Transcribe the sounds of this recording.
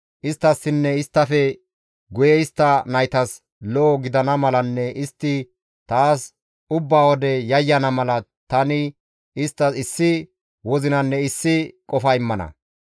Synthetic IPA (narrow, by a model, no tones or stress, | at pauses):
ʔɪst̪ːɐsːɪnːɛɪst̪ːɐfɛ | ɡʊjɛɪst̪ːɐnɐjt̪ɐs | loːɡɪd̪ɐnɐmɐlɐnːɛʔɪst̪ːɪ | t̪aːs | ʊbːaːwɔd̪ɛjɐjːɐnɐmɐlɐt̪ɐnɪ | ɪst̪ːɐsɪsːɪ | wɔzɪnɐnːɛɪsːɪkʼɔfɐɪmːɐnɐ̰